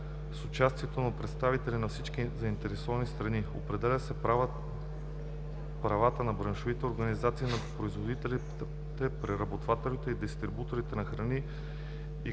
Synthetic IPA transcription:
sot͡ʃast̪iɛt̪onɐpɾɛt̪st̪avit̪ɛlinɐfsit͡ʃkizɐint̪ɛɾɛsɔvɐnist̪ɾɐniopɾɛd̪ɛlʲəsɛ | pɾɐvat̪ənɐbɾɐnʃovit̪ɛoɾɡɐnizat̪siːnɐpɾoizvod̪it̪l | t̪ɛpɾɛɾɐbot̪vat̪ɛlit̪ɛid̪ist̪ɾibut̪oɾit̪ɛnɐxɾɐni | i

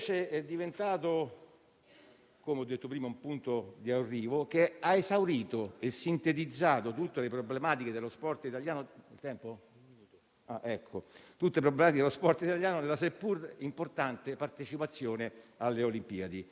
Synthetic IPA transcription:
t͡ʃeɛd̪ːivent̪aːt̪o | komeɔd̪ːet̪ːopɾiːmaumpunt̪od̪iarːiːvok̟eaesawɾiːt̪oesːint̪et̪id̪zːaːt̪ot̪ut̪ːelepɾoblemaːt̪iked̪elːospɔrt̪it̪aljaːnoelt̪ɛmpo | aʔɛkʰːot̪ut̪ːeep̬ɾobːlemaːt̪iked̪elospɔrt̪it̪aljaːnoelas̬epːurimport̪ant̪epart̪et͡ʃipat̪sːjoːnealːeolimpiːad̪i

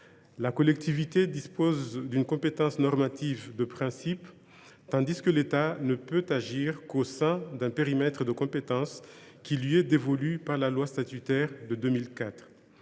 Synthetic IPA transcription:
lakɔlɛk̚t̪ivit̪ed̪ispozd̪ynkɔ̃pet̪ɑ̃snɔʁmat̪ivd̪əpχɛ̃sip | t̪ɑ̃d̪iskəlet̪anəpøt̪aʒiʁkosɛ̃d̪ɛ̃peʁimɛt̪χəd̪əkɔ̃pet̪ɑ̃skʲilɥiɛd̪evɔlypaʁlalwast̪at̪yt̪ɛʁd̪əd̪ømilkat̪χ

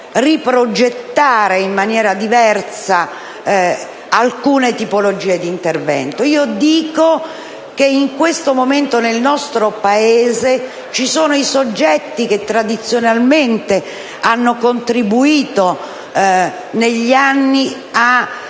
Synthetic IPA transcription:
ripɾod͡ʒet̪ːaːɾeimːanjɛːɾad̪ivɛrt̪sa | alkuːnet̪ipolod͡ʒiːed̪int̪ervɛ̰nt̪oiːod̪iːko | k̟eiŋkwest̪omoment̪onelnɔst̪ɾopaeːze | t͡ʃisoːnoisod͡ʒːɛt̪ːiket̪ːɾad̪it̪sːjonalment̪e | anːokont̪ɾibuiːt̪o | neʎːianːi | a

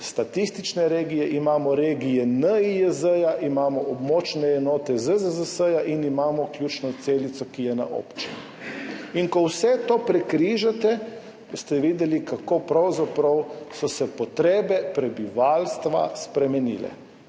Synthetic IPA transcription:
st̪at̪ist̪it͡ʃnɛɾeːɡijɛʔimaːmɔɾeːɡijɛnəijəzəjaʔimaːmɔɔbmɔːt͡ʃnɛɛnɔːt̪ɛzəzəzəsəjaʔinimaːmɔklʲjuːt͡ʃnɔt̪seːlit̪sɔkijɛna̰ʔo̰ːpt͡ʃinu | inkɔwsɛt̪oːpɾɛkɾiʒat̪ɛ | st̪ɛʋiːd̪ɛlikakoːpɾɐwzapɾɐwsɔsɛpɔt̪ɾeːbɛpɾɛbiʋalst̪ʋa̰spɾɛmɛnḭːlɛ̰

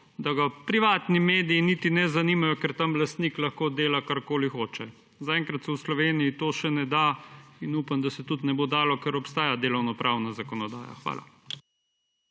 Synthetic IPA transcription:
d̪aɡapɾiʋaːt̪nimeːd̪ijinit̪inɛzaniːmajɔkɛɾt̪amlast̪niklɐxkod̪eːlakaɾkoːlixoːt͡ʃɛ | zaɛːŋkɾat̪sɛwslɔʋeːnijit̪oːʃɛnɛd̪ainuːpamd̪asɛt̪ut̪nɛboːd̪aːlɔkɛɾɔpst̪aːjad̪eːlɔwnɔpɾʔaːwnazakɔnɔd̪aːja̰xʋa̰ːla̰

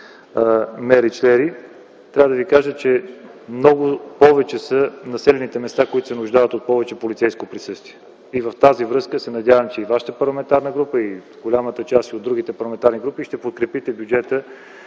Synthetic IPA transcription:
mɛɾit͡ʃlɛɾi | t̪ɾʲavəd̪əvikaʒət͡ʃɛmnɔɡʊpɔvɛt͡ʃɛsənɐsɛlɛnit̪ɛmɛst̪akoit̪ʊ̥sɛnʊʒd̪avət̪ot̪̚pɔvɛt͡ʃɛpolit̪sɛjskopɾisɤst̪viɛ | ivəft̪azivɾɤskəsɛnɐd̪ʲjavəmt͡ʃɛivaʃə̥t̪əpɐɾlˠɐmɛnt̪aɾnəɡɾupəi | ɡolʲamət̪ət͡ʃast̪iod̪ɾuɡit̪ɛpɐɾlˠɐmɛnt̪aɾniɡɾupiʃt̪ɛpot̪̚kɾɛpit̪ɛbjud͡ʒɛt̪ə

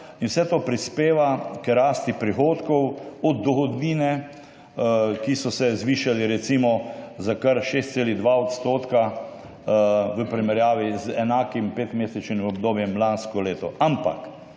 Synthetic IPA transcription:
inwsɛt̪oːpɾispeːʋakəɾaːst̪ipɾixoːt̪kɔwɔd̪̚d̪ɔxɔd̪niːnɛ | kisɔsɛzʋiːʃaliɾɛt̪simɔzakaɾʃeːst̪seːlid̪ʋaɔt̪st̪oːt̪ka | ʋəpɾimɛɾjaːʋizɛnaːkimpeːt̪meːsɛt͡ʃnimɔbd̪oːbjɛmlanskɔleːt̪ɔʔampa̰k

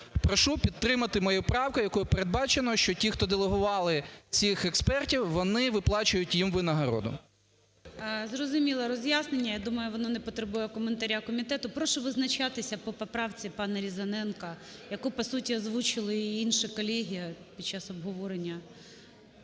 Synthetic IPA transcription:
pɾɔʃupʲit̪ɾɪmɐt̪ɪmɔjupɾɑwkʊjɐkɔjʊpeɾed̪̚bɑt͡ʃenɔʃt͡ʃɔtʲixt̪ɔd̪elˠeɦʊʋɑlˠɪt͡sʲixɛkspɛrtʲiwʋɔnɪʋɪplˠɑt͡ʃʊjʊtʲjimʋɪnɐɦɐɾɔ̰d̪ʊ̰ | zrɔzʊmʲilˠɐɾɔzʲjasnenʲːɐjad̪umɐjʊʋɔnɔnɛpɔt̪ɾebujɛkɔment̪ɐɾʲakɔmʲit̪ɛt̪ʊpɾɔʃɔʋɪznɐt͡ʃɑt̪ɪsʲɐpɔpɔpɾɑwt͡sʲipɑnɐɾʲizɐnɛnkɐjɐkupɔsutʲiɐzʋut͡ʃɪlˠɪiinʃɪkɔlʲɛɦʲijɐpʲid̥̚t͡ʃːasɔbɦɔʋɔɾenʲːɐ

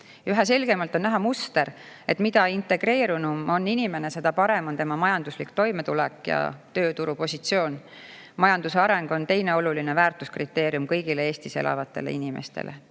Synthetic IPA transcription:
yɦese̞lɡe̞mɑlt̪ːˑo̞nːæɦɑmust̪e̞ɾe̞t̪ːˑmid̪ɑint̪e̞ɡ̥re̞ːɾunumo̞nːinime̞ne̞se̞d̪̥ɑpɑɾemont̪e̞mɑmɑjɑnd̪uslikt̪o̞jme̞t̪ulɛkːjɑ̰t̪ø̞ːt̪uɾupo̞sʲit̪sio̞ːn | mɑjɑnd̪̥useɑɾe̞ŋɡ̥o̞nt̪e̞jne̞o̞lulinevæːrt̪uskrit̪ːˑe̞ːɾiumkɤjɡile̞e̞ːst̪ise̞̰lʔɑ̰vɑt̪ːˑelḛinimḛst̪ḛlʔe

